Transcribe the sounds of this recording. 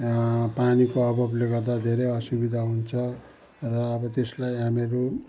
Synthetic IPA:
panikoʌbʱʌbleɡʌrd̪ad̪ʱeɾejʌsubid̪ʱaɦunt͡sʰʌ | rʌːbʌt̪eslajɦameɾu

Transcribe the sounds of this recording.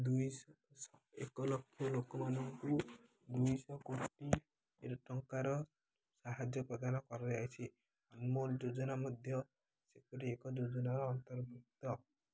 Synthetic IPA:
d̪uj | ekɔlɔkʰːjɔlokɔmanɔŋku | d̪ujsɔkoʈi | eɾʈɔŋkaɾɔ | saɦad͡ʒjɔpɾɔd̪anɔkɔɾɾeajt͡ʃʰi | anmold͡ʒod͡ʒɔnamɔd̪ʱjɔ | sekɔɾiekɔd͡ʒod͡ʒɔnaɾɔːnt̪ɔɾbuk̚t̪ɔ

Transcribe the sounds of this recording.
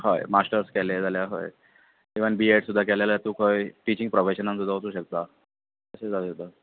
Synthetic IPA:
hojmasʈəɾskɛled͡zaljaɦo̰j | iʋənbieʈsud̪ʱːakɛljalat̪uːkoiʈit͡ɕiŋɡ̚pɾofeɕənansud̪ʱːaɦot̪uːɕək̚t̪a | əsed͡zaesud̪ʱːa

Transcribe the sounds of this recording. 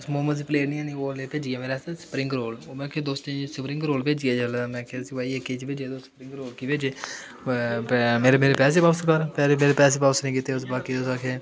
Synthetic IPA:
smoːmənsiːpleːnĩːɛ̃ːniːoːleːpeːd͡ʒɡjaːmeːɾasesə̥pɾɪ̃ŋɡɾoːloːmɛ̃ːkʰeːd̪oːst̪ẽsəpɾɪ̃ŋɡɾoːlpeːd͡ʒɡɛːd͡ʒəlmɛ̃ːkʰeːsĩbaːiekːeːt͡ʃbɪd͡ʒeːd̪oːsəpɾɪ̃ŋɡɾoːlkiːped͡ʒeː | pmeːɾemeːɾeːpɛːs̬eːbaːʋskəɾpɛːɾmeːɾepɛːs̬eːbaːʋsnĩːkiːt̪eːʊsbaːkiːd̪osakʰeː

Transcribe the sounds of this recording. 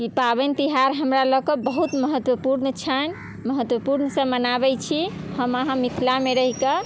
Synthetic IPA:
kipabɛnt̪iɦaɾɦəmɾaləkɔbəɦut̪məɦət̪wəpuɾnt͡ʃʰən | məɦət̪wəpuɾnsə̃mənabɛt͡ʃʰihəməɦãmit̪ʰilameɾəɦikə

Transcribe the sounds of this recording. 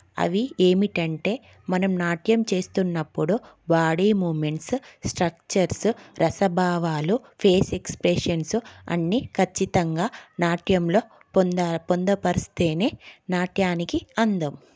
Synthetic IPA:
ɐ̰ʋieːmiʈɐɳʈe̞ː | mɐnɐmnaːʈjɐmt͡ʃe̞ːst̪unːɐpːuɽu | baːɽiːmuːme̞ɳʈssʈɾɐk̚t͡ʃɐɾsɾʔɐsɐbʱaːʋaːlu | pʰeːsekspɾeʂɐnsuɐ̰nːikʰɐt͡ʃːit̪ɐŋɡaːnaːʈjɐmlo̞ː | pond̪ɐpɐɾist̪eːneːnaːʈjaːnikiɐnd̪ɐm

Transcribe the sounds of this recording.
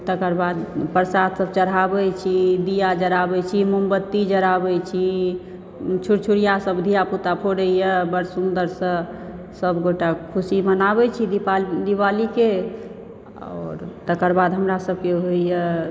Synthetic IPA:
t̪əkəɾbad̪pəɾsat̪səb̚t͡ʃəɽabɛt͡ʃʰid̪ijad͡ʒəɾabɛt͡ʃʰimumbət̪ːid͡ʒəɾabɛt͡ʃʰi | t͡ʃʰuɽt͡ʃʰuɽijasəbd̪ʱijaput̪apʰoɽəijəbəɾsund̪əɾsə̃ | səbɡoʈakʰusimənabɛt͡ʃʰid̪ipad̪iwalike | ɔ̰ːɾt̪əkəɾbad̪ɦəmɾasəb̚keɦoijə

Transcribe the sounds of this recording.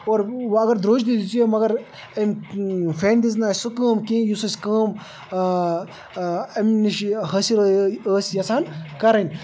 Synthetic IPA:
oːɾʋɐɡɐɾd̪ɾoːd͡ʒd̪id̪it͡suemɐɡɐɾ | ɐmfeːnd̪iz̬naːsʲsukəːmkẽjusɐsʲkɐːm | ɐmniʃɦɐsiɾəjəːsjɐsaːnkɐɾɐnʲ

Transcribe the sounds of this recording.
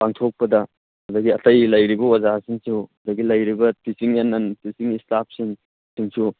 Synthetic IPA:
paŋtʰok̚pɐdɐ | ɐdɐɡiɐtɐjlɐjɾibɐwazasiŋsuɐdɐɡilɐjɾibɐpʰisiŋenːɐnpʰisiŋistap̚siŋ | siŋsu

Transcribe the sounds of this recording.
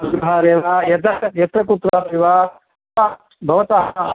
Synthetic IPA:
ɡɾɐɦaːɾeːʋajɐt̪ɐɐjɐt̪ɾɐkut̪ɾaːɾeːʋaː | pa | bʱɐʋɐt̪aɦ

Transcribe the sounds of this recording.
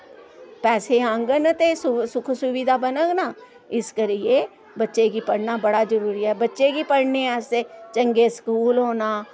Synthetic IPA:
pɛːseə̃ŋɡənt̪eːsʊsʊkʰsʊʋiːd̪aːbənəɡnaː | ɪskəɾɪeː | bətːʃeːɡiːpəɽnaːbəɽaːd͡ʒəɾuːɾiɛːbətːʃeːɡiːpəɽneːɛːset͡ʃəŋɡeːskuːlɦoːnaː

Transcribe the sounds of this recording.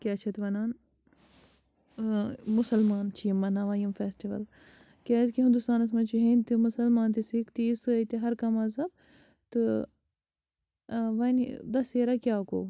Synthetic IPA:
kʲaːt͡ʃʰɐt̪ʋɐnaːn | musɐlmaːnt͡ʃʰijimːɐnaʋɐːjɐmfeːsʈiʋɐ̰l | kʲeːzkiɦĩnd̪ust̪aːnɐsmɐnt͡ʃiɦinʲt̪imusɐlmaːnt̪isikt̪iːsɨɐjt̪iɦɐɾkɐmɐzɐb̚ | t̪ɨ | ʋɐnd̪ɐseːɾakʲaːko̰ː

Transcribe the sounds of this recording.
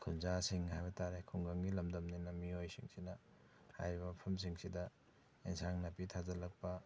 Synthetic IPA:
kʰunzasiŋɦajbɐtaɾekʰuŋɡɐŋɡilɐmdɐmninɐmiojsiŋsinɐ | ha̰jɾibɐpʰɐms̬iŋsidɐ | insaŋnɐpitʰazɐlɐk̚pɐ

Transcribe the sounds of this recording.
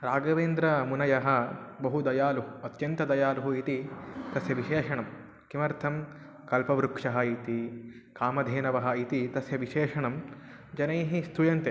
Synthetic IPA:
ɾaːɡɐʋeːnd̪ɾɐmunɐjɐɦɐ̆bɐɦud̪ɐjaːluɦuɐt̪jɐnt̪ɐd̪ɐjaːluɦuit̪it̪ɐsjɐʋiʃeːʂɐɳɐm | kimɐɾt̪ʰɐm | kɐlpɐʋɾukʂɐɦɐ̆it̪i | kaːmɐd̪ʱeːnɐʋɐɦɐ̆it̪it̪ɐsjɐʋiʃeːʂɐɳɐm | d͡ʒɐnɐjɦist̪ʰujɐnt̪e

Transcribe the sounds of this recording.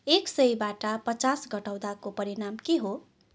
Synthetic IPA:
eksʌjbaʈʌpʌt͡sasɡʌʈaw̃d̪akopʌɾiɽamkeɦo

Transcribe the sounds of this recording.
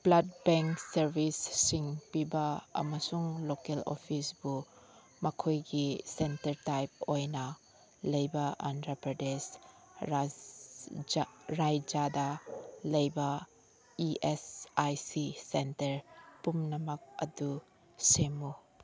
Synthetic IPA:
b̥lɐd̚beŋksɐɾbʱisːiŋpibɐɐ̰mɐsuŋlokelo̰pʰisb̥u | mɐkʰojɡisentɐɾtajp̚ojnɐ | lɐjbɐa̰ntɾɐpɾɐdes | ɾajd͡ʒadɐlɐjbɐ | iʔesajsisentɐɾpumnɐmɐk̚ɐ̰du | semu

